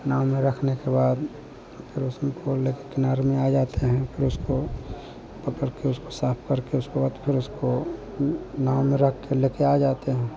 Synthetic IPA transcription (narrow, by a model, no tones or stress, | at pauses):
naːwmẽɾɐkʰnekebaːd̪ | pʰɪɾʊskoleːkekɪnaːɾemẽaːd͡ʒaːt̪eɦɛ̃pʰɪɾʊsko | pɐkəɽkeʊskosaːpʰkəɾkeʊskebaːd̪pʰɪɾʊsko | naːwmẽɾɐkʰkeleːkeaːd͡ʒaːt̪eɦɛ̃ː